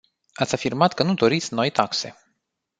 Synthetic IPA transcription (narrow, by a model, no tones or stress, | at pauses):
at̪sʲafirmat̪kənud̪o̞ɾit̪sʲno̞jt̪akse̞̰